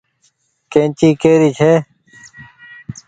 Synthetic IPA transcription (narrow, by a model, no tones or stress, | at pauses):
kẽːnt͡ɕiːkeːɾiːt͡ɕʰeː